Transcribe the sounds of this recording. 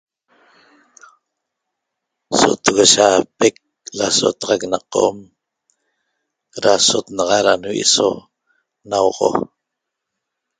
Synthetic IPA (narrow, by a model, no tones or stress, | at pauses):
so̰t̪əɣoʃapek̚ | laso̰t̪ɑʁɑknɑqo̰m | ɾasot̪nɑʁɑɾanuwḛso | nawʁo̰